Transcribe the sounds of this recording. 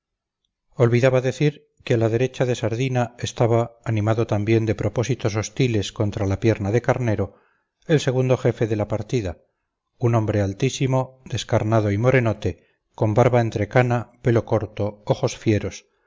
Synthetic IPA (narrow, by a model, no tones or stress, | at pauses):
o̞lβiðaβaðe̞θiɾ | kealaðe̞ɾe̞t͡ʃaðe̞saɾðinae̞st̪aβaːnĩmaðo̞t̪ambje̞nd̪e̞pɾo̞po̞sit̪o̞s̬o̞st̪ile̞sko̞nt̪ɾalapje̞ɾnaðe̞kaɾne̞ɾo̞ | else̞ɣ̞und̪o̞χe̞fe̞ðe̞lapaɾt̪iða | unõ̞mbɾe̞alt̪isimo̞d̪e̞skaɾnaðo̞imo̞ɾe̞no̞t̪e | ko̞mbaɾβae̞nt̪ɾe̞kanape̞lo̞ko̞ɾt̪o̞oχo̞sfje̞ɾo̞s